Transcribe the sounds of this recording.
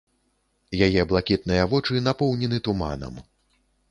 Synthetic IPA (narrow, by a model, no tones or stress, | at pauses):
jajɛblˠakʲit̪̚nɨjɐvɔt͡ʂɨnapɔwnʲɛnɨt̪uma̰nɐ̰m